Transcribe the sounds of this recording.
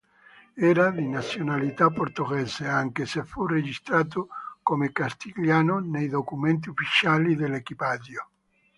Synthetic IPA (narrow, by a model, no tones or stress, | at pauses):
ɛːɾad̪inat̪sːjonalit̪apːort̪oɣɛzeaŋkesefːured͡ʒist̪ɾaːt̪̬okomekast̪iljaːnonejd̪okument̪̬iufːit͡ʃaːlid̪elekipad̪jo